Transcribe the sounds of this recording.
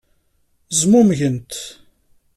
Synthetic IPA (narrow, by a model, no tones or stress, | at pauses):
zmumʝənt̪